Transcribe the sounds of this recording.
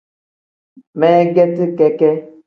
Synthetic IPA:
mɛ˦ɡɛ˦ti˦kɛ˦kɛ˦

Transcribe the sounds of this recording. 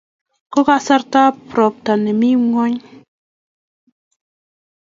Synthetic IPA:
ko˦ka˦ʔsa˦ɾta˦pɾɔ˨p̚ta˨nɛ˨mi˦ŋo˦ɲ

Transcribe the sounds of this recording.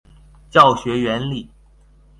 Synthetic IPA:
t͡ɕjɑ˥˩ʊɕɥɛ˧˥ɥɛ˧˥nli˥˩

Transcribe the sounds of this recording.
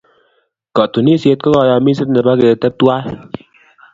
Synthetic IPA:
kɔ˨tu˨ni˦sje˧t̚kɔ˦kɔ˧jɔ˧mi˦sɪ˦tnɛ˨ba˦ke˨tɛ˦p̚twa˦l

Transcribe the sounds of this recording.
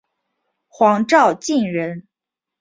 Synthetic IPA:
xwɑ˧˥ŋʈ͡ʂɑ˥˧ʊt͡ɕi˥˩nɻə˧˥n

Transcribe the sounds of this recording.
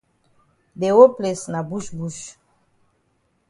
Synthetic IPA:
de˨wo˦ple˨sna˨bu˦ʃbu˦ʃ

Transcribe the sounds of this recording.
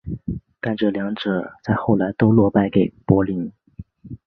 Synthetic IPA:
ka˥˧nʈ͡ʂɤ˨˩ljɑ˧˥ŋʈ͡ʂɤ˨˩˦t͡sa˥˧ɪxo˥˩ʊla˧˥ɪt̪o˥ʊlwɔ˥˧pa˥˩ɪke˨˩ɪpwɔ˧˥li˧˥n

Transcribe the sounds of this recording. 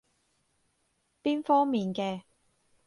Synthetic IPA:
piː˥nfɔː˥ŋmiː˨nkɛː˧

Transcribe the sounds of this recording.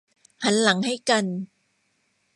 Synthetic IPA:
ha˨˩˦nla˨˩˦ŋha˥˩jka˧n

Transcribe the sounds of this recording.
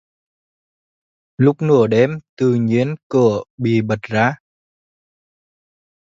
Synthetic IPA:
lʊ˦˥k͡p̚nɨ˧˩əɗe˧˩mt̪ɨ˨˩ɲi˧˥ənkɨ˧˩əɓḭ˧˨ɓə˨˩t̚zaː˨˦˥

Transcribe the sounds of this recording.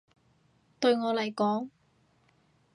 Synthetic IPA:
t̪ɵ˧ɥŋɔː˨˧lɐ˨˩jkɔː˨˥ŋ

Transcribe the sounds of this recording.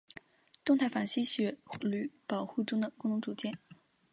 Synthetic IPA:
t̪ʊ˥˧ŋt̪ʰa˥˩fa˨˩nɕi˥ɕɥɛ˧˥ly˧˥pɑ˨˩ʊxu˥˩ʈ͡ʂʊ˥ŋd̪ə˨kʊ˥ŋʈ͡ʂʊ˧˥ŋʈ͡ʂu˨˩t͡ɕjɛ˥˩n

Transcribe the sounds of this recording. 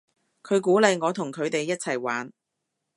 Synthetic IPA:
kʰɵ˨˧ɥk̬uː˨˥lɐ˨˧jŋɔː˨˧t̪ʰʊ˨˩ŋkʰɵ˨˧ɥt̪e˨jːɐ˥t̚t͡sʰɐ˨˩jwaː˨˥n

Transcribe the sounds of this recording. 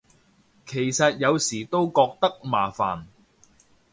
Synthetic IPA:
kʰe˨˩jsɐ˨t̚jɐ˨˧wsiː˨˩t̪o˥wkɔː˧k̚t̪ɐ˥k̚ma̰ː˨˩fa̰ː˨˩n

